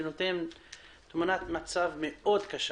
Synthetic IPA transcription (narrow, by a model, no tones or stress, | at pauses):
not̪en | t̪munat̪mat͡savmeʔo̞d̪kaʃ